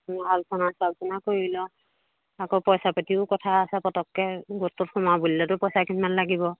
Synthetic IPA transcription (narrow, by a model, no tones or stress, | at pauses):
nɦalsʰɔnasab̚pɔnakoiilɔ | akopɔjsapatiʊkɔtʰaːsɛpɔtɔkːɛɡotːʊt̚xɔmabulilɔtʊpɔjsakʰinmanlaɡibɔ